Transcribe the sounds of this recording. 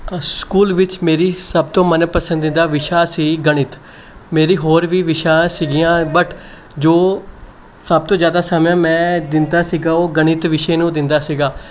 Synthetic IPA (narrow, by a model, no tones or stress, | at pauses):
skuːlʋɪt͡ʃmeːɾiːsəb̚t̪õːmənpəsə̃nd̪ɪnd̪aːʋɪʃaːsiːɡəɽ̃ɪt̪ | meːɾiːɦoːɾʋiːʋɪʃãːsiːɡijãːbəʈʰ | d͡ʒoː | səb̚t̪õːd͡ʒjaːd̪aːsaːmjãːmɛ̃ːd̪ɪnd̪aːsiːɡaːoːɡəɽ̃ɪt̪ʋɪʃeːnũːd̪ɪnd̪aːsiːɡaː